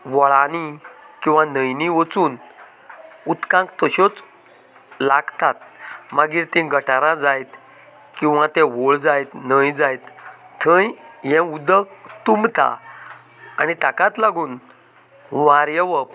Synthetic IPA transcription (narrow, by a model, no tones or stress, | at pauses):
ʋɔɭanikĩw̃ʋanəjniʋət͡suːn | ut̪kãŋkt̪əɕɔt͡s | laɡt̪at̪̚maɡiːɾt̪ĩɡʱəʈaɾãd͡zajt̪ | kĩw̃ʋãt̪ɛ̃ʋoɭd͡zajt̪nəjd͡zajt̪ | t̪ʰə̃jɦɛ̃ud̪əkt̪umt̪a̰ | a̰nit̪akat̪laɡuːn | ʋaɾjəʋəp